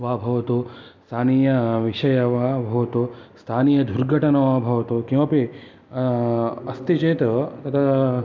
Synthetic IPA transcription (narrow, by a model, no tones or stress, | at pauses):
ʋaːbʱɐʋɐt̪ust̪ʰaːniːjɐʋiʂɐjɐʋaːbʱɐʋɐt̪ust̪ʰaːniːjɐd̪ʱuɾɡʱɐʈɐnɐʋaːbʱɐʋɐt̪ukĩmɐpi | ɐst̪it͡ʃeːt̪ɐt̪ɐt̪ʰa